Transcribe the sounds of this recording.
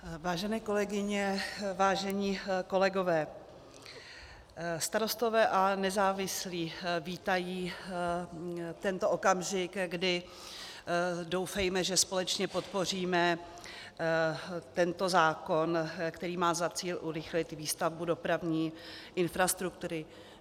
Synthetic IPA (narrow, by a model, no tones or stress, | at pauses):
vaːʒɛnɛːko̞lɛɡɪɲɛvaːʒɛɲiːko̞lɛɡo̞vɛː | st̪aɾo̞st̪o̞vɛːʔanɛzaːvɪsliːviːt̪ajiː | t̪ɛnt̪o̞ʔo̞kamʒɪkɡdɪ | do̞wfɛjmɛʒɛspo̞lɛt͡ʃɲɛpo̞t̪po̞r̝iːmɛ | t̪ɛnt̪o̞zaːko̞nkt̪ɛɾiːmaːzat͡siːlʔuɾɪxlɪt̪viːst̪avbudo̞pɾavɲiːʔɪnfɾast̪ɾuk̚t̪uɾɪ